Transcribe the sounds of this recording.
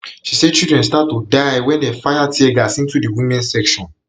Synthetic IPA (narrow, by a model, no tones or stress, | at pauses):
ʃisɛt͡ʃildɹɛ̃nstatːudaɪwɛ̃ndɛfajatʰiɛɡasĩntudiwĩmɛ̃nsɛkʃɔ̃n